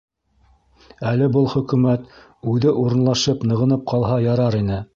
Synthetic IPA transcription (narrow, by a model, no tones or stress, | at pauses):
ælɘbɤlˠχɵ̆kʉmæt̪ | ʉðɘʔuɾɤ̆nlˠɑʃɤpnɤ̆ʁɤ̆nɤp̚qɑlˠɦɑjɑɾɑɾinɘ